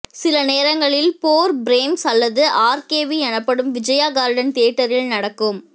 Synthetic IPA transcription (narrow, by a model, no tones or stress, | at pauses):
sɪlɐneːɾɐŋɡɐɭɪlpoːɾbɾeːmsɐlːɐðɯʔaːɾkeːʋiɛnɐpːɐɽɯmʋɪd͡ʒɐjaːɡaːɾɖɐnt̪eːʈːɐɾɪlnɐɽɐkːɯm